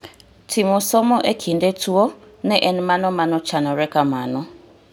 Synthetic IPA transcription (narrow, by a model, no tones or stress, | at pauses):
tʰimɔsɔmɔʔɛkʰindɛtuɔ | nɛʔɛnmanɔmanɔt͡ʃanɔɾɛkamanɔ